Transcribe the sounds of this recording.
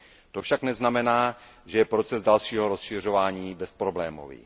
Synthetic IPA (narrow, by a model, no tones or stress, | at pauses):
t̪ofʃaknɛznamɛnaː | ʒɛjɛpɾo̞t͡sɛzdalʃiːɦoɾo̞sʃɪr̝o̞vaːɲiːbɛspɾoblɛːmo̰vḭ